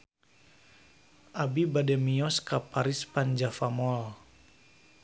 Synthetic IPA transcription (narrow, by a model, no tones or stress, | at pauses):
ʔabibadɛmiɔskapaɾispand͡ʒafamɔl